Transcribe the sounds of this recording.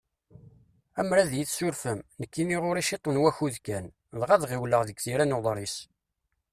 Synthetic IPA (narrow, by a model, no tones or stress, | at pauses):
æmɾæðjiθsʊɾfəmnəkːiniʁʊɾiʃit̪ˤːonwæçuðkæn | lʁaðʁiwləʁðəɡθiɾænoðˤɾˤis